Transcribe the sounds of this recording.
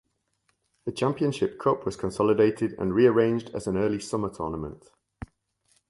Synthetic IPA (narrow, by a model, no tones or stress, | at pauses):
ðət͡ʃʰãmpiə̃nʃɪp̚kʰʊpʰwɒz̥kʰə̃nsɒlɪdeɪtʰɪdə̰̃nɹiəɹẽɪ̃nd͡ʒdə̰zə̃nɜːlisʌmətʰɔ̰ːnəmə̰̃nt